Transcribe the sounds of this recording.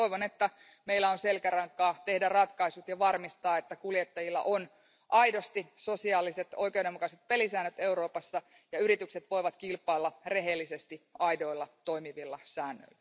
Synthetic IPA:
oiʋonet̪ːæ | meilːæonselkærɑŋkɑːt̪e̞hdærɑt̪kɑisut̪jɑʋɑrmist̪ɑːet̪ːækuljet̪ːɑjilːɑ̰ʔon | ʔɑido̞st̪iso̞siɑːlːiset̪oikeoudemukɑset̪̚pelisæːnːøt̪e̞uɾo̞ːpɑsːɑ | jɑyɾit̪ykset̪ʋo̞iʋɑt̪kilpˑɑilːɑre̞ɦelːisest̪iɑido̞ilːɑt̪o̞imiʋilːɑsæːnːø̰ilːæ

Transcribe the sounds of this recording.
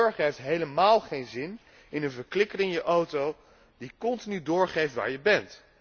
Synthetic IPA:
ɹχəejftɦejləmaːlˠχejnzɪn | ɪnənvəɹklɪkərɪŋjəʔowtow | dikɔntinydʊːɹχejftʋa̰ːɹjəbɛnt

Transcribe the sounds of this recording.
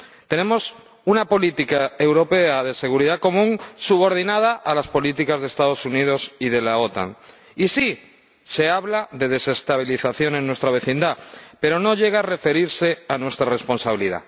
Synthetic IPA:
t̪e̞nẽ̞mo̞s | unapo̞lit̪ikae̞wɾo̞pe̞aðe̞se̞ɣ̞uɾiðako̞mũŋsuβo̞ɾð̞inað̞aʔalaspo̞lit̪ikazðest̪aðo̞sunið̞o̞siðe̞lao̞t̪a̰ŋ | isi | se̞aβlaðe̞ðe̞se̞st̪aβ̞iliθaθjo̞nẽ̞nːwe̞st̪ɾaβ̞e̞θind̪ape̞ɾo̞no̞ʎe̞ɣ̞are̞fe̞ɾiɾse̞anwe̞st̪ɾare̞spo̞nsaβiliða̰

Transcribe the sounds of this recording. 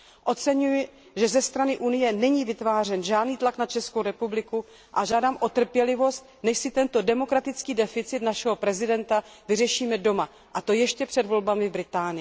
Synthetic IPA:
ʔo̞t͡sɛɲujɪ | ʒɛzɛst̪ɾanɪʔunɪjɛnɛɲiːvɪt̪vaːr̝ɛnʒaːdniːt̪laknat͡ʃɛskowɾɛpublɪku | ʔaʒaːdaːmʔo̞t̪r̩pjɛlɪvo̞st̪̚nɛʃsɪt̪ɛnt̪o̞dɛmo̞kɾat̪ɪt͡skiːdɛfɪt͡sɪt̪naʃɛɦo̞pɾɛzɪdɛnt̪avɪrɛʃiːmɛdo̞ma | ʔat̪o̞jɛʃcɛpr̝̥ɛdvo̞lbamɪvbɾɪt̪aːnɪ

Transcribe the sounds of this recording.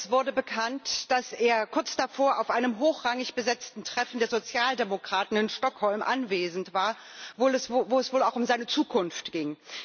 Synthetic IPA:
ɛsv̥ʊɐdəbəkʰantd̥aseːɐkʰʊɐt͡sd̥afoːɐʔaʊfʔaɪnəmɦoːxʁ̥aŋɪçb̥əzɛt͡stn̩tʁ̥ɛfn̩deːɐzot͡sjaːldemokʁ̥aːtn̩ɪnʃtɔkhɔlmʔanveːzn̩tv̥aːɐ | volɛsvoːɛsv̥oːlaʊxʊmzaɪnət͡suːkʰʊnftɡ̥ɪŋ

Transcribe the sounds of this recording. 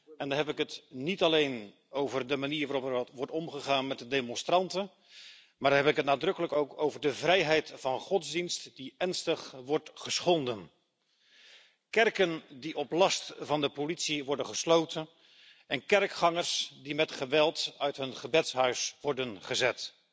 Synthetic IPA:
ɛndɑnɦɛpɪkɦətnitɑlejn | owvərdəmaniːɹʋaɾɔpəʋɔɹtɔmχəχaːnmɛtdədejmɔ̃nstrɑntə | maːɹdnɦɛpɪkət̚naːdrɵkələkowkowvəɹdəvrɛjɦɛjtfɑnχɔtzdinstdiɛɹnstəχʋɔɹtχəsχɔndən | kɛrkəndiʔɔplɑstvɑndəpolitsiʋɔɹdənχəslowtən | ɛnkɛrkχɑŋəɹsdimɛtχəʋɛlˠtœɥtɦɵnχəbɛtsɦœɥsʋɔɹdənχəzɛt

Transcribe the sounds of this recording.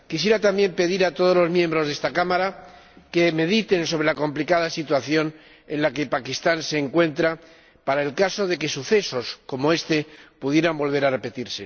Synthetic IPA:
kisje̞ɾat̪amje̞mpe̞ðiɾat̪o̞ð̞o̞zlo̞zmjembɾo̞zðest̪akamaɾa | ke̞me̞ðit̪e̞nso̞βɾe̞lako̞mplikaðasit̪waθjo̞n | enlake̞pakist̪anse̞ːŋkwe̞nt̪ɾa | paɾaelkaso̞ðe̞ke̞suθe̞so̞sko̞mo̞e̞st̪e̞puðje̞ɾambo̞lβ̞e̞ɾare̞pe̞t̪iɾse̞

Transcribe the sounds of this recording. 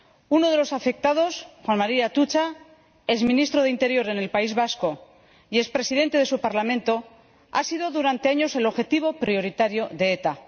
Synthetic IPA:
uno̞ð̞e̞lo̞safe̞k̚t̪að̞o̞sxwanmaɾiat̪ut͡ʃa | e̞zmĩnist̪ɾo̞ð̞eint̪e̞ɾjo̞ɾe̞ne̞lpaizβasko̞ | ie̞spɾe̞siðe̞nt̪e̞ðe̞supaɾlamẽ̞nt̪o̞ | a̰siðo̞ðuɾant̪e̞aɲo̞se̞lo̞βxe̞t̪iβ̞o̞pɾio̞ɾit̪aɾjo̞ðe̞et̪a

